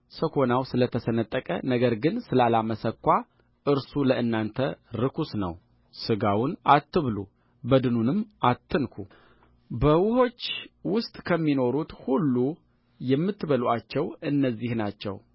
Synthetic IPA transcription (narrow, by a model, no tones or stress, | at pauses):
səkʰo̞nawsɨlət̪ʰəsənət̪ʼːəkʼə̰nəɡəɾɡɨnsɨlalaməsəkʷːa | ʔɨɾsuləʔɨnːant̪ʰəɾɨkʰusnə̰w | sɨɡawʊnat̪ːɨβlṵ | bəd̪ɨnunɨmːʔat̪ʰːɨnkʰu | bəwʊho̞t͡ʃːwʊst̪ʼkʰəmːino̞ɾut̪hulːu | jɛmːɨt̪ːɨβəlʔat͡ʃːɛwɨnːəzːihnat͡ʃːɛ̰w